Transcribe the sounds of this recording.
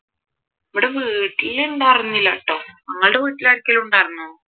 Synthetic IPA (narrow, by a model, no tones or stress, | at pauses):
ɐʋiɽeʋɨːʈːilːenɖaɐrɐnːilːɐʈːoːɐŋːɐɭɽeʋiːʈːilaːɾikʲːɐluɳɖaːjrinːɐ